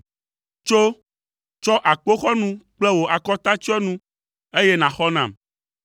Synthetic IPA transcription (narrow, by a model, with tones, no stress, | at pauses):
t͡ʃo˦ | t͡ʃɔ˦ʔa˨k͡po˦xɔ˦nũ˦k͡plɛ˦wo˨ʔa˨kɔ˦t̪a˦t͡ɕi˦ɔ˦nũ˦ | e˦je˦nã˨xɔ˦nã˨m